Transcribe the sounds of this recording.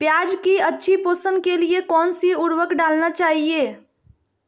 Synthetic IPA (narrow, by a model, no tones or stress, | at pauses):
pjaːd͡ʒkiətːʃʰipoːsənkeliekɔːnsiuɾwəkɖaːlnat͡ʃaːɦie